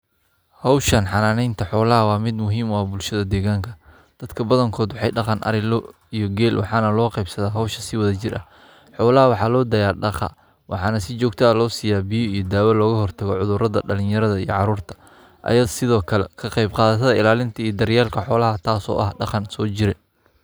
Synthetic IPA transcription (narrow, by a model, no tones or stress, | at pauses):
hɑwʃɐnħɑnaːnɛjnt̪ʰɐħɔːlɐɦɐwɑːmɪd̪mʊɦiːmɔɐbʊlʃɐðɐd̪ɛːɣaːŋkʰɐ | d̪̥ɐd̪kʰɐbɐðɐŋkʰɔːd̪wɑħɑjɖɑqɑnʔɐ̰ɾɪlɔ | ijɔɡɛːlwɑ̰ħɑːnɐlɔːqɛjbsɐðaːɦɐwʃɐsɪwɐðɐt͡ʃɪrʔɐ̰h | ħɔːlɐɦɐwɑħɑːlɔːd̪ɐjaːrɖɑqɑ̰ | wʔɑħɑːnɐsɪt͡ʃɔːɡt̪ʰɐːlɔːsɪjaːbɪjɔijɞd̪aːwɐlɔːɣɐɦɔrt̪ʰɐɣɔʕʊðʊɾɐðɐ̰ɖɐlɪ̃jɐɾɐðɐijɔ̰ʕɑɾuːrt̪ʰɐ̥ | ʔɐ̰jɐðsɪðɔːkʰɐlɛkʰɐqɑjbqɑːðɐt̪ʰɐðɐɪlaːlɪnt̪ʰɐijɔd̪ɐɾjaːlkʰɐħɔːlɐɦɐt̪ʰaːsɔ̰ːʔɐ̰hɖɑqɑnsɔːt͡ʃɪɾɛ